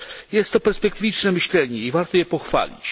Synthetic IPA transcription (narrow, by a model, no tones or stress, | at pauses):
jɛst̪ːɔpɛɾspɛk̚t̪ɘvʲit͡ʂnɛmɘɕlɛɲɛivaɾt̪ɔjɛpɔxfa̰lʲḭt͡ɕ